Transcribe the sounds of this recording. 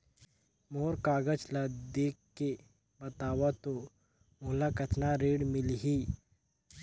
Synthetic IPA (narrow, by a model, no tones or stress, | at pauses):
moːɾkaːɡət͡ʃlad̪eːkː | e | bɐt̪aːʋat̪o | mʊlakət̪ʰnaɾeːɽmɪlɦi